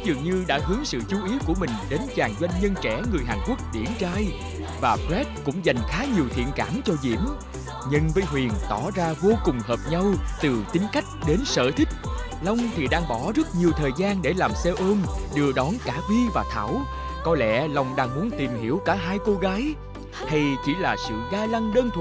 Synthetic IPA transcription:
zɨ˨˩əŋɲɨ˧ɗa̰ː˧˥ɦɨ˨˦əŋsɨ̰˧˨t͡ɕu˨˦ʔi˨˦əwku˧˩əmï˨˩ŋ̟ɗe˨˦nt͡ɕaː˨˩ŋzwa˧jŋ̟ɲə˧nt͡ɕɛ˧˩˥ŋɨ˨˩əjɦaː˨˩nku˦˥ək̚ɗḭ˧˩ənt͡ɕaː˧j | vaː˨˩pɾɛ˦˥t̚kʊ̰˧˥ŋ͡mza˨˩jŋ̟xaː˨˦ɲi˨˩əwt̪ʰḭ˧˨ənkaː˧˩nt͡ɕɔ˧zḭ˧˩˥əm | ɲɨ˧ŋvəː˨˦jɦwi˨˩ənt̪ɔ˧˩zaː˧vo˧kʊ˨˩ŋ͡mhəː˨˩p̚ɲa˧wt̪ɨ˨˩t̪ï˨˦ŋ̟ka˦˥jk̟̚ɗe˨˦nsə̰ː˧˨t̪ʰï˦˥k̚ | la˧wŋ͡mt̪ʰi˨˩ɗaː˧ŋɓɔ˧˩zə˦˥t̚ɲi˨˩əwt̪ʰəː˨˩jzaː˧nɗe˧˩laː˨˩msɛ˧wʔəː˧mɗɨ˧˩əɗɔ˨˦nkaː˧˩vi˧vaː˨˩t̪ʰa̰ː˧˩w | kɔ˨˦lɛ̰˧˥la˨˩wŋ͡mɗaː˧ŋmu˨˦ənt̪i˨˩mhi˧˩əwkaː˧˩ɦaː˧jko˧ɣaː˨˦j | h̪a˧jt͡ɕi˧˩˥laː˨˩sɨ̰˧˨zaː˧la˧ŋɗəː˧nt̪ʰ

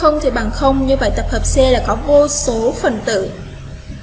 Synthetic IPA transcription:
ə˧wŋ͡mt̪ʰi˨˩ɓa̰ː˧˨nxə˧wŋ͡mɲɨ˧və̰˧˨jt̪ə˨˩p̚həː˨˩p̚sɛ˧la̰ː˧˨kɔ˨˦vo˧so˨˦fə˨˩nt̪ɨ̰˧˨

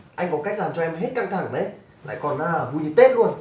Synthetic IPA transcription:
ʔa˧jŋ̟kɔ˨˦ka˦˥jk̟laː˨˩mt͡ɕɔ˧ʔɛ˧mɦe˦˥t̚ka̰ː˧˩ŋt̪ʰa˧˩˦ŋɗə˨˦j | la̰ː˧˨jkɔ˨˩nʔə˨˩vu˧˩jɲɨ˨˧˩t̪e˦˥t̚lu˧ən

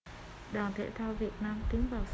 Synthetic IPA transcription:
ɗaː˨˩nt̪ʰḛ˧˥t̪ʰaː˧wvi˨˩ət̚naː˧mt̪ï˨˦ŋ̟vaː˨˩ws

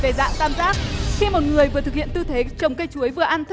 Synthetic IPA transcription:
ve˨˩za̰ː˧˨ŋk̪aː˧mzaː˦˥k̚xi˧mo˨˩t̚ŋɨ˨˩əjvɨ˨˩ət̪ɨ˨˩hḭ˧˨ənt̪ɨ˧t̪ʰe˨˦t͡ɕə˨˩wŋ͡mkə˧jt͡ɕu˨˦əjvɨ˨˩əʔa˧nt̪ʰ

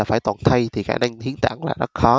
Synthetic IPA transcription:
aː˨˩faː˧˩jt̪waː˨˩nt̪ʰə˧jt̪ʰi˨˩xa̰ː˧˩na˧ŋhi˨˦ənt̪a̰ː˧˩ŋla̰ː˨˩zə˦˥t̚xɔ˨˦

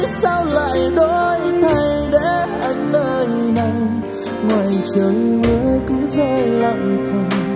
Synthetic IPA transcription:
sa˧wla̰ː˧˨jɗo˧jt̪ʰa˧˩jɗḛ˧˥ʔa˨˧˦jŋ̟ləː˧˩jna˧j | ŋwaː˨˩jt͡ɕə˨˦ŋɲɨ˨˦kɨ˨˦zɛ˧la̰˧˨ŋ͡mk̪ʰə˧˩ŋ͡m

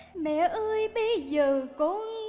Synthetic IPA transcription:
mɛ̰˧˨ʔəː˧jɓə˧jzəː˨˩kʊ̰˧˥ŋ

